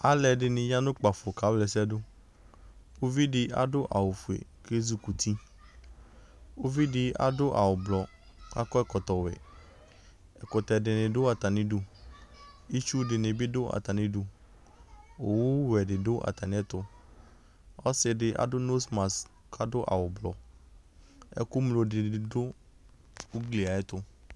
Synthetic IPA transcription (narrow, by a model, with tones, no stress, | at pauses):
a˦lɛ˨ɖɪ˨nɪ̃˨ɲa˦nʊ̃˦k͡pa˨fʊ˨ka˨˦blɛ˨sɛ˦dʊ˦ | wo˦vi˦dɪ˦a̰˦dʊ˦ʔa̰˨wʊ˨fu˨ḛ˨ke˦zu˦ku˨t̪ʰi˦ | o˦vi˦dɪ˨ʔa̰˨dʊ˦ʔa̰˨wʊ˨blɔ˨ | ka̰˦kɔ˦ɛ˦kɔ˨t̪ɔ˨wɛ̰˨ | ɛ˨kʊ˨t̪ɛ˨dɪ˨nɪ̃˨dʊ˦a˨t̪a˨nɪ̃˦du˨ | i˦t͡ʃu˦dɪ˨nɪ˨bɪ˦dʊ˦ʔa̰˨t̪a˨nɪ̃˦du˨ | o˨wʊ˦wɛ˨ɖɪ˨dʊ˦ʔa̰˨t̪a˨nɪ̃˦ɛ˦t̪ʊ˦ | ɔ˦sɪ˨ɖɪ˦ʔa̰˨dʊ˦no˦sma˨s | kʰa˦dʊ˦ʔa̰˨wʊ˨blɔ˨ | ɛ̰˦kʊ˦mlo˨dɪ˨ɪ˨dʊ˦ | u˦ɡli˨a˨ɛ˦t̪ʊ˦